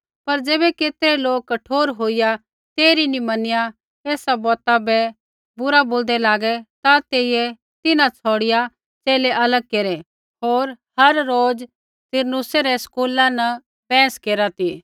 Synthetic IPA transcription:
pɐɾd͡ʒeːbɛkeːt̪ɾɛloːk̚kːɐʈʰoːɾɦoːɪja | t̪eːɾinimɐnɪja | eːsabɔːt̪abɛ | bʊɾaboːld̪ɛlaːɡɛt̪at̪eːijɛ | t̪ɪnãt͡sʰɔːɽɪja | t͡ʃeːlɛʔɐləɡ̚keːɾɛ | ɦoːɾ | hɐɾːoːd͡ʒ | t̪ɪɾnʊseɾɛskuːlãnɐ | pɛ̃ːskeːɾat̪iː

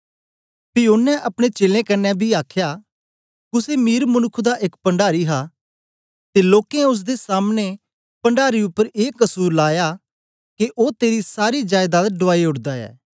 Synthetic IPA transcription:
pɪjoːnːɛ̃ʔɐpɽ̃et͡ʃeːlẽkɐnːɛbʱiaːkʰja | kʊsemiːɾmənʊkʰːd̪aʔɪkpə̃ɳɖaːɾiɦa | t̪eloːkẽʊs̬d̪esaːmne | pə̃ɳɖaːɾiʊpːəɾeːkəsuːɾlaːja | keʔoːt̪eːɾisaːɾid͡ʒaːjd̪aːd̪ɖʊaːiʊʈd̪aɛ̰ː

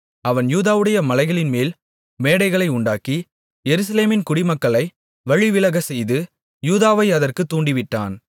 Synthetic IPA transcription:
ɐʋɐnjuːðaːʋɯɽɐjɐmɐlɐɪɣɐɭɪnmeːl | meːɽɐɪɣɐɭɐɪʊɳɖaːki | jɛɾɯs̬ɐleːmɪnkʊɽɪmɐkːɐɭɐɪ | ʋɐɻɪʋɪlɐɣɐsɛjðɯ | juːðaːʋɐɪɐðɐrkɯt̪ːuːɳɖɪʋɪʈːa̰ːn

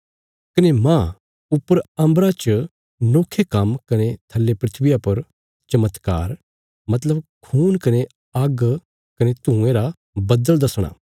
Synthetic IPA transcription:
kɐnemã | ʊpːəɾɐ̃mbɾat͡ʃ | noːkʰːekɐmkɐnet̪ʰɐlːepɾɪt̪ʰʋɪjapɐɾ | t͡ʃɐmət̪ka̰ːɾ | mɐt̪̬ləbkʰuːnkɐne | ɐɡ | kɐnet̪ũeɾa | bɐd̪əld̪ɐsɽ̃a̰ː

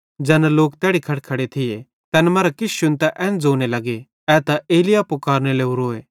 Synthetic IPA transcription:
d͡ʒɛːnɛloːkt̪ɛːɽikʰɐɽkʰɐɽet̪ʰɪje | t̪ɛːnmɛɾakɪʃʊnt̪ɛʔɛ̃ːnd͡zoːnelɐɡe | ɛːt̪aʔeːlɪjapʊkaːɾneleːuɾoːeː

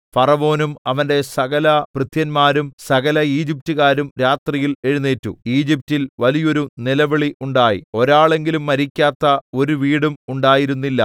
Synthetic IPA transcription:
pɐrɐʋo̞ːnumɐʋɐnde̞sɐɣɐlɐprɨt̪ʰjɐnmaːɾumsɐɣɐlɐiːd͡ʑip̚tuɣaːɾumɾaːt̪rijile̞ɻunːeːtːṵiːd͡ʑip̚tilʋɐlijo̞ɾunilɐʋɐɭiʔuɳɖaːjḭo̞ɾaːɭe̞ŋɡilumːɐɾikʲːaːt̪ːɐo̞ɾuʋiːɽumuɳɖaːjiɾunːilːɐ

